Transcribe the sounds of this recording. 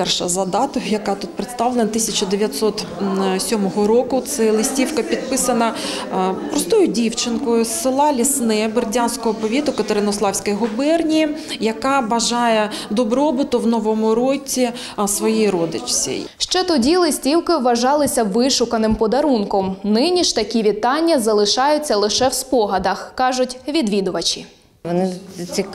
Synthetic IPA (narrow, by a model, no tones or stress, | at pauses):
pɛrʃɐ̰zɐd̪ɑt̪ɔxjɐkɑt̪ut̪̚pɾet̪st̪ɑʋlˠenɐt̪ɪsʲɐt͡ʃʊd̪eʋʲjɐt̪sɔt̪sʲɔmɔɦɔɾɔkʊt̪sɛlˠɪsʲtʲiwkɐpʲid̪̚pɪsɐnɐ | pɾɔst̪ɔjʊdʲiwt͡ʃɪnkɔjʊsɪlˠɑlʲisnɪbɪrdʲansʲkɔɦɔpɔʋʲit̪ʊkɐt̪eɾɪnɔslˠɑwsʲkɐjɦʊbɛrnʲijɐkɑbɐʒɑjɛd̪ɔbɾɔbɪt̪ʊwnɔʋɔmʊɾɔtʲːi | sʋɔjijɾɔd̪ɪt͡ʃsʲḭjʃt͡ʃɛt̪ɔdʲilˠɪsʲtʲiwkɪwːɐʒɑlˠɪsʲɐʋɪʃʊkɐnɪmpɔd̪ɐɾunkɔmnɪnʲiʃt̪ɐkʲiʋʲit̪ɑnʲːɐzɐlˠɪʃɑjʊt͡sʲːɐlˠɪʃɛwspɔɦɐd̪ɐxkɑʒʊtʲʋʲid̪ʋʲid̪ʊʋɐt͡ʃʲi | ʋɔnɪt͡sʲik